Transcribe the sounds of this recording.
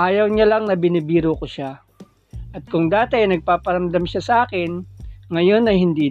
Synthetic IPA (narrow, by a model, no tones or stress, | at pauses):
ʔaːjɐwɲalɐŋnɐbɪnɪbiːɾokoʃa | ʔɐt̪̚kʊŋd̪aːt̪ɪɐjnɐɡ̚paːpɐɾɐmd̪amʃasɐʔaːkɪnŋɐjo̞nɐjhɪnd̪iː